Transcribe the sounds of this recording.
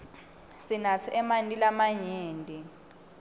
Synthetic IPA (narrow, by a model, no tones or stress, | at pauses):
sinat͡sʰiʔɛmandʼilamaɲeːndʱʼi